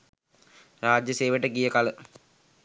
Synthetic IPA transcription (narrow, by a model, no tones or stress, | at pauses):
ɾaːd͡ʒjəseːʋəʈəɡijəkalə